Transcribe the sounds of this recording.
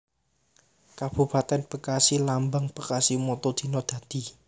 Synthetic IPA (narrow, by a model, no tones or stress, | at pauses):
kab̥ṳpat̪ɛnb̥əkasilambaŋb̥əkasimɔt̪od̪̥i̤nɔd̪̥ä̤d̪̥i̤